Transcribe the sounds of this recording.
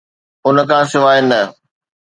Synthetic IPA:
ʊn̆kʰãːsɪʋaːjnɐ

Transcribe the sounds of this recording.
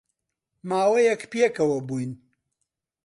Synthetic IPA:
maːwɐjɐkpjekɐwɐbujn

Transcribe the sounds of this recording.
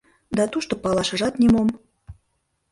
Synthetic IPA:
d̪ɑt̪uʃt̪ŏpɑlɑʃɤ̆ʒɑt̪nʲemom

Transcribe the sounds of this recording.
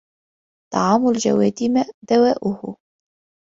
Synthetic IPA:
t̪ɑʕɑːmʊld͡ʒa̰waːt̪imad̪awaːʔʊhʊ̰

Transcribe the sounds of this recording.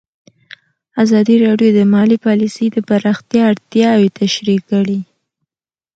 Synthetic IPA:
azɑd̪iɾɑɖjod̪əmɑlipɑlisəjd̪əbaɾaxt̪jɑːɽt̪jɑwet̪aʃɾikːəɽi

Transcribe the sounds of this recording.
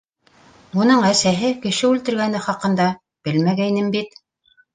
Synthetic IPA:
unɤɴæsæɦɘkɘ̆ʃɘʉlt̪ɘ̆ɾɡænɘχɑqɤ̆nd̪ɑ | b̥ɘlmæɡæjnɘmbit̪

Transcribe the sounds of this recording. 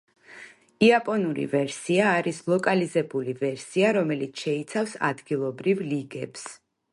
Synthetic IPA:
iapʼɔnuɾḭvɛɾsiaːɾislˠɔkʼalizɛbulivɛɾsiaɾɔmɛlit̪sʰʃɛit̪sʰafsa̰d̪ɡilˠɔbɾivliɡɛps

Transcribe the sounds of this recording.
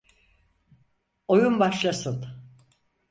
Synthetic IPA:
o̞jumbaʃlˠasɯn

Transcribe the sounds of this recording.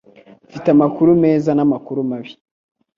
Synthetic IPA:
fitamakuɾume̞ːzanamakuɾumaβi̥

